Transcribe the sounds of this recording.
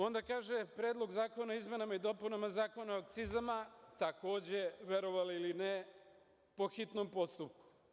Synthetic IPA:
o̞nd̪akaːʒepɾeːd̪lˠo̞ɡzaːko̞naoizme̞namaid̪o̞punamazaːko̞naoak̚t̪sizamat̪ako̞ːd͡ʑeʋeɾo̞ʋaliline | po̞xit̪no̞mpo̞st̪upku̥

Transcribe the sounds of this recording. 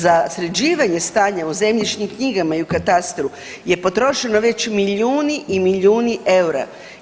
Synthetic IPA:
zasɾed͡ʑiːʋaɲe̞st̪aːɲauze̞mʎʲit͡ʃɲimkɲiɡamaiukat̪ast̪ɾu | je̞po̞t̪ɾo̞ʃe̞no̞ʋe̞t͡ɕmiʎuːniʔimiʎuːniʔe̞wɾa̰

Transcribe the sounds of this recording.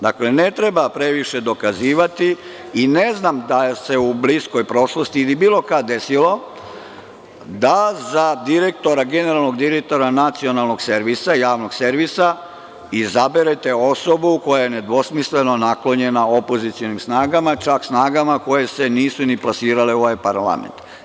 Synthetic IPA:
d̪akle̞ne̞t̪ɾebapɾe̞ʋiʃe̞d̪o̞kaziːʋat̪i | ine̞znamd̪ase̞ublisko̞jpɾo̞ʃlost̪iːlibiːlˠo̞kad̪e̞silo̞ | d̪azad̪iɾe̞kt̪o̞ɾaɡe̞neɾalˠno̞ɡd̪iɾek̚t̪o̞ɾanat̪sio̞nalˠno̞ɡse̞ɾʋisajaːʋno̞ɡseɾʋisa | izabeɾet̪e̞o̞so̞buko̞jajene̞d̪ʋo̞smisle̞no̞naklo̞ɲe̞nao̞po̞zit̪sijo̞nimsnaːɡamat͡ʃaksnaːɡamako̞je̞se̞niːsuniplasiːɾaleo̞ʋajpaɾla̰mḛnt̪

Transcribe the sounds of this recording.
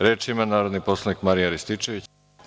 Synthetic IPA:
ɾeːt͡ʃimanaːɾo̞d̪nipo̞slˠanikmaɾijaɾist̪it͡ʃe̞ʋit͡ɕ

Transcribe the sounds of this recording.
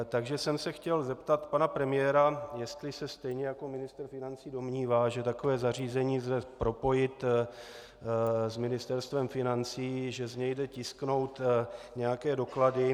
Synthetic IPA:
t̪aɡʒɛsɛmsɛxcɛlzɛpt̪at̪panapɾɛmɪjɛːɾajɛst̪lɪsɛst̪ɛjɲɛjako̞mɪnɪst̪r̩fɪnant͡siːdo̞mɲiːvaːʒɛt̪ako̞vɛːzariːzɛɲiːzdɛpɾo̞po̞jɪt̪ | zmɪnɪst̪ɛɾst̪vɛmfɪnant͡siːʒɛzɲɛjdɛcɪskno̞wt̪ɲɛjakɛːdo̞kladɪ

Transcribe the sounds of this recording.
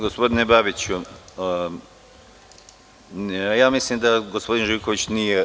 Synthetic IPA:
ɡospo̞d̪inebabit͡ɕu | jaːmislimd̪aɡospo̞d̪inʒiko̞ʋit͡ɕnije

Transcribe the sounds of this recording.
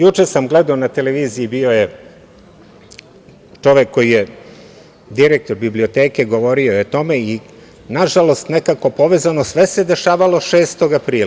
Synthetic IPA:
jut͡ʂesamɡled̪aonat̪eleʋiːziibio̞je | t͡ʃo̞ʋekːojije | d̪iɾek̚t̪o̞ɾbiblio̞t̪eːke̞ɡo̞ʋo̞ɾiojet̪ome̞i | naʒalo̞st̪nekako̞po̞ʋe̞zanosʋese̞d̪e̞ʃaːʋalo̞ʃeːst̪o̞ɡapɾiːla

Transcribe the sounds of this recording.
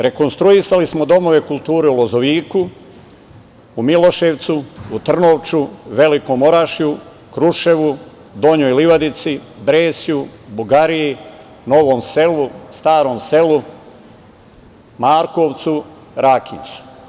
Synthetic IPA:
ɾe̞ko̞nst̪ɾuisalismo̞d̪o̞mo̞ʋe̞kulˠt̪uːɾeulo̞zoʋiːku | umilo̞ʃeʋt̪suut̪r̩no̞ʋt͡ʃuʋe̞liko̞mo̞ɾaʃiju | kɾuʃe̞ʋu | d̪o̞ɲojliʋad̪it̪sibɾeːsiubuɡaɾiji | no̞ʋo̞ːmse̞lust̪aːɾo̞ːmse̞lu | maːɾko̞ʋt̪su | ɾakint̪su̥

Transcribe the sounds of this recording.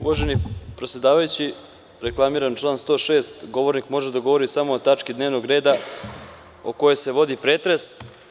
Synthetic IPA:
ṵʋaʒenipɾe̞t̪sʲjed̪aːʋajut͡ɕi | ɾe̞klˠamiːɾant͡ʃlˠaːnst̪o̞ːʃe̞ːst̪ɡo̞ʋo̞ɾnikmo̞ʒed̪aɡoʋo̞ɾisamo̞ːt̪at͡ʂkid̪ne̞ːʋno̞ɡɾe̞ːd̪a | oko̞jese̞ʋo̞d̪ipɾet̪ɾes

